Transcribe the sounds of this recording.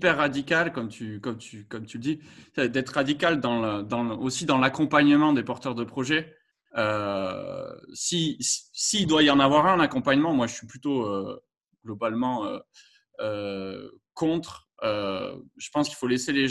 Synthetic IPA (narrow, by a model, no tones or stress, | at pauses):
pɛʁːad̪ikʲalkɔmt̪ʰykɔmt̪ʰykɔmt̪yləd̪iɛd̪ɛt̪χəʁad̪ikʲald̪ɑ̃ləd̪ɑ̃osid̪ɑ̃lakɔ̃paɲəmɑ̃d̪epɔʁt̪œʁd̪əpχɔʒɛ | ø | sisi̥siːld̪waiɑ̃navwaʁɛ̃nakɔ̃paɲəmɑ̃mwaʒəsɥiplyt̪oø | ɡ̥lɔbalmɑ̃ø̰ | ø | kɔ̃t̪χ | øʒ̥ə̥pɑ̃skʲi̥lfoleseleʒ